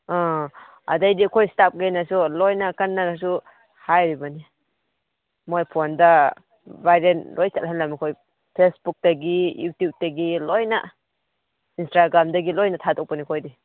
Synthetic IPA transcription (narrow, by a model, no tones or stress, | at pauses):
ɔ | a̰dajdikʰɔjstap̚ɡajnasulɔjnakanːanas̬u | hajɾibani | mojpʰonda | baɾenlɔjtatlɦanlamikʰɔj | pʰlesbuk̚taɡijutjub̚taɡilɔjna̰ | instaɡɾamdaɡilɔjnatʰatʰɔk̚panikʰɔjdi